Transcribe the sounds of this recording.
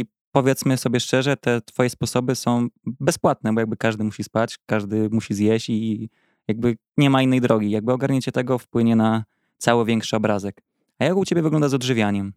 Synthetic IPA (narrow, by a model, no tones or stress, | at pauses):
i | pɔvʲjɛt̪smɘsɔbʲjɛʂt͡ʂɛʐɛt̪ɛt̪fɔjɛspɔsɔbɘsɔ̃w̃bɛspwat̪̚nɛbɔjaɡ̚bɘkaʐd̪ɘmuɕispat͡ɕkaʐd̪ɘmuɕizʲjeɕt͡ɕi | jaɡ̚bɘ | ɲɛmainːɛjd̪ɾɔɡʲijaɡ̚bɘɔɡaɾɲɛt͡ɕɛt̪ɛɡɔfpwɘɲɛna | t̪sawɛvʲjɛŋkʂɛɔbɾazɛk | ajakut͡ɕebjɛvɘɡlɔnd̪azɔd̪ʐɘvʲjaɲɛm